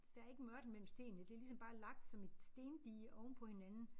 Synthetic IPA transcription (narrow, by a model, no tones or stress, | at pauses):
d̥ææɐe̝ɡ̥əmɶɐd̥mel̰m̩sd̥e̝̰ːnnəd̥e̝æɐlisɒ̽mb̥ɑ̈ːlɑ̈ɡ̥̚d̥sɒ̽me̝d̥sd̥e̝ːnd̥iːɒʊnpʰɒ̽he̝nænn̩